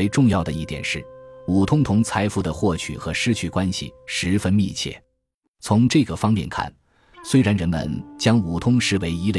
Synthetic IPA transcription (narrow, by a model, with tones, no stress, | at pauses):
e˧˥ɪʈ͡ʂʊ˥˧ŋjɑ˥˩ʊd̪ə˩i˥˩t̪jɛ̰˨˩nʂɻ̩˥˩u˨˩t̪ʰʊ˥ŋt̪ʰʊ˧˥ŋt͡sʰa˧˥ɪfu˥˩d̪ə˩xwɔ˥˩t͡ɕʰy̰˨˩xɤ˧˥ʂɻ̩˥t͡ɕʰy˥˩kwa˥nɕḭ˨˩ʂɻ̩˧˥fə˥nmi˥˧t͡ɕʰjɛ̰˥˩ | t͡sʰʊ˧˥ŋʈ͡ʂɤ˥˩ɡə˩fɑ˥ŋpjɛ̰˥˧nkʰa̰˥˩n | swe˥ɪɻa˧˥nɻə˧˥nmə̰˧nt͡ɕjɑ˥ŋu˨˩t̪ʰʊ˥ŋʂɻ̩˧˥we˧˥ɪi˧˥l